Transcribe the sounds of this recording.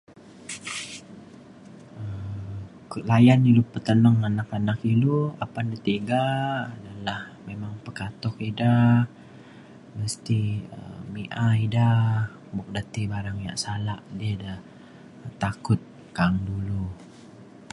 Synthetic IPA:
ə | klajanilupət̪ənəŋanakanakiluapandət̪eɡaːdalahmemaŋpəkat̪ɔkida | məst̪iə̰miʔaida | bɔk̚dat̪ibaɾaŋja̰ʔsalaʔdiəda | t̪akʊt̪̚ | kaŋdulu

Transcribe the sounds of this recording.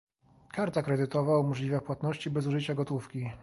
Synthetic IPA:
kaɾt̪akɾɛd̪ɘt̪ɔvawmɔʐlʲivɛpwat̪nɔɕt͡ɕibɛzuʐɘt͡ɕaɡɔt̪ufkʲi

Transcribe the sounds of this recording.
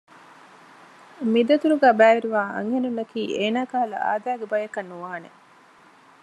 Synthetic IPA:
mid̪ɐt̪uɾuɡæːbæːʋiɾiʋaːʔɐ̰ŋhenunːɐkiːeːnaːkaɦɐlɐ̰a̰ːd̪æːɡebɐjɐkɐnːuʋaːnḛ

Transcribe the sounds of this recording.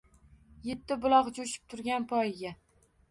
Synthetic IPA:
je̞t̪ʰːɪbʊlˠɒqd͡ʒoʃɪ̥p̚t̪ʰʊɾɡʲanpʰɒjɪɡʲa

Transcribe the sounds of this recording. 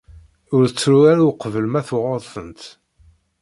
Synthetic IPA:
ʊɾət͡sːɾuɾaɾuqːvəlmæθʊʁəðˤθənt̪

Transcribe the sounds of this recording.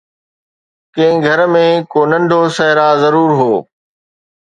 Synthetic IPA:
kɐ̃ɪ̃ɡʱɐɾmẽkoːnɐ̃ɳɖʱosɐɦɪɾazɐɾuːɾɦoː

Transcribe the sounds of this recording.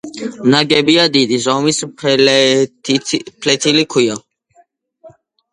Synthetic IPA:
naɡɛbijad̪id̪izɔmis | pʰlɛt̪ʰilikʰuja

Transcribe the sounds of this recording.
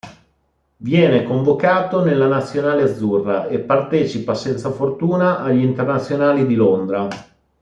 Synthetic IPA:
vjɛːnekoɱvokaːt̪onelːanat̪sːjonaːlead̪zːurːaepːart̪ɛːt͡ʃipasɛnt̪safort̪uːnaʔaʎːint̪ernat̪sːjonaːlid̪ilond̪ɾa

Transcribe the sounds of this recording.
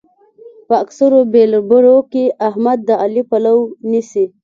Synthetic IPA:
pəaksaɾobelbəɾokeʔaɦmad̪̚ːəalipalawnisi

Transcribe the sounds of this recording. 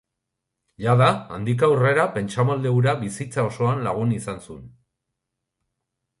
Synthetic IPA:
ʎaðaːnd̪ik̬aure̞ɾape̞nt͡ʃamald̪euɾaβisit͡sao̞so̞anlaɣ̞unisansun

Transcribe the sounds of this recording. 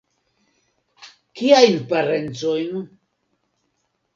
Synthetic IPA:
kiajnpaɾent͡sojn

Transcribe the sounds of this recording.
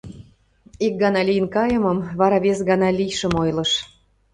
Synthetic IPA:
ik̚ɡɑnɑlʲijənkɑjə̆məmβɑɾɑβes̬ɣɑnɑlʲijʃə̆mojlɤ̆ʃ

